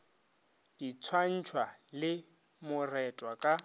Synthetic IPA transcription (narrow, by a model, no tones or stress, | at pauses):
d̥it͡sʰwan̩t͡ʃʰwalɪ | mʊrɛtʼwakʼa